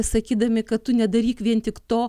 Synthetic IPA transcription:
sɐkʲiːd̪ɐmʲɪkɐtt̪ʊnʲɛd̪ɐɾʲiːkʋʲiɛnt̪ʲɪkt̪oː

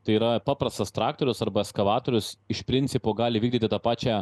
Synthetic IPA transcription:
t̪ɐɪiːɾɐpɑːpɾɐst̪ɐst̪ɾɑːkt̪oːɾʲʊsɐɾbɐɛskɐʋɑːt̪oːɾʲʊsɪʃpʲɾʲɪnʲt̪sʲɪpoːɡɑːlʲɪʋʲiːɡd̪ʲiːt̪ʲɪt̪ɑpɑːt͡ʃʲæː

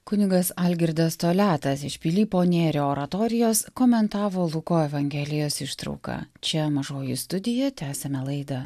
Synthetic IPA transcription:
kʊnʲɪɡɐsɐlʲɡʲɪɾd̪ɐst̪oːlʲæːt̪ɐsɪʃʲpʲilʲiːpoːnʲeːɾʲoːoːɾɐt̪ɔːɾʲɪjoːskoːmʲɛnt̪ɑːʋoːlˠʊkoːɛʋɐŋʲɡʲɛlʲɪjoːsɪʃt̪ɾɐ̰ʊkɑ̰ːt͡ʃʲɛmɐʒoːjʊst̪ʊd̪ʲɪjɛt̪ʲæːsʲɛmʲɛlˠɐɪd̪ɐ

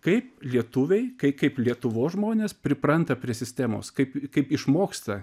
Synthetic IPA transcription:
kɐɪplʲiɛt̪ʊʋʲɛɪkɐɪkɐɪplʲiɛt̪ʊʋoːsʒmoːnʲeːspʲɾʲɪpɾɐnt̪ɐpʲɾʲiɛsʲɪsʲt̪ʲæːmo̰ːskɐɪpkɐɪpɪʃmoːkst̪ɐ

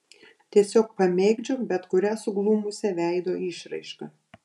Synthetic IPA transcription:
t̪ʲiɛsʲoːk̚pɐmʲɛɪɡd͡ʒʲoːbʲɛt̪kʊɾʲæːsʊɡlˠuːmʊsʲɛʋʲæˑɪd̪oːɪʃɾɐ̰ɪʃkɐ

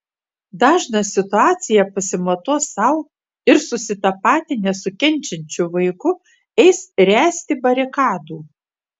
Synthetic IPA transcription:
d̪ɑːʒnɐsʲɪt̪ʊɑːt̪sʲɪjɛpɐsʲɪmɐt̪oːsɐʊ | ɪɾsʊsʲɪt̪ɐpɑːt̪ʲɪnʲɛsʊkʲɛnʲˑt͡ʃʲɛnʲt͡ʃʲʊʋɐɪkʊ | ɛɪsɾʲæːsʲt̪ʲɪbɐɾʲɪkɑːd̪uː

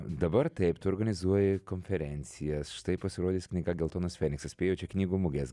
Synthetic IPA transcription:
d̪ɐbɐɾt̪ɐɪpt̪ʊɔːɾɡɐnʲɪzuɔjɪkonʲfʲɛɾʲɛnʲt̪sʲɪjɛsʃɪ̥t̪ɐɪpːɐsʲɪɾoːd̪ʲiːsknʲɪɡɐɡʲɛlˠt̪oːnɐsfʲɛːnʲɪksɐspʲeːjoːt͡ʃʲɛknʲiːɡuːmʊɡʲɛs

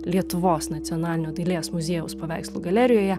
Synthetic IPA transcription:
lʲiɛt̪ʊʋoːsnɐt̪sʲɪɔnɑːlʲɪnʲoːd̪ʲilʲeːsmʊzʲeːjʊspɐʋʲæˑɪkslˠʊɡɐlʲæɾʲɪjoːjɛ

